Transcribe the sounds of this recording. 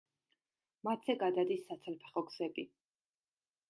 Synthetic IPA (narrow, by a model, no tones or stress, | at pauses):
mat̪ʰzɛɡad̪ad̪isːat̪sʰlpʰɛ̥χɔɡsɛbi